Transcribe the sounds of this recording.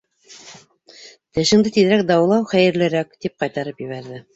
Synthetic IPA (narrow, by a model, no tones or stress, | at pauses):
t̪ɘ̆ʃɘ̆ŋd̪ɘt̪ið̆ɾæk̚d̪ɑwlˠɑwχæjɘ̆ɾlɘ̆ɾækt̪ip̚qɑjt̪ɑɾɤpjɘ̆βæɾðɘ